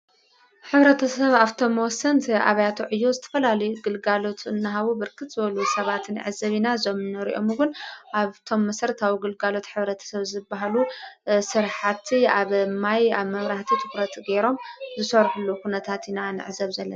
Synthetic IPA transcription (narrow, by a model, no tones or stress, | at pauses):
ħɨβɾɐt̪ʰɐsɐβaβt̪ʰo̞mːwɔsːɐnt̪ʰʔa̰βɐjat̪ʰuʕɨjːo̞zɨt̪ʰɐ̥fɐlalɐjuɡɨlɡalo̞t̪ʰɨnːɨɦaβubɨɾkʰɨt̪z̥ɨβɐlusɐβat̪n̰ʕɨzɐβinazomɨnːɨɾḭʔo̞muɡʊnʔaβt̪ʰo̞mːɐsɐɾt̪ʰawiɡɨlɡalo̞t̪ħɨβɾɐt̪ʰɐ̥sɐβzɨbːaɦalusɨɾħat̪ʰiaβmajaβmɐmɾaht̪ʰit̪ʰɨkɾɐt̪ɡeɾo̞mzɨsɐɾħulːukʰunɐt̪ʰat̪inanɨ̰ʕɨzɐβzɐlːɐna